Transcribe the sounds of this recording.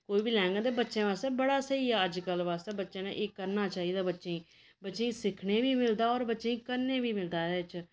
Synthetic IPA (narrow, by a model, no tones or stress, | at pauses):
koːiːbiːlɛːŋɡad̪eːbətːʃẽːʋaːst̪ɛːbəɽaːsəiːəd͡ʒkəlʋaːst̪ɛːbətːʃẽːnḛ̃ʔeːkːəɾnaːt͡ʃaːiːd̪aːbətːʃeiː | bətːʃeĩːsɪkʰneːʋiːmɪld̪aːɔːɾbətːʃeĩːkəɾneːʋiːmɪld̪aːɛd̪eːɪt͡ʃ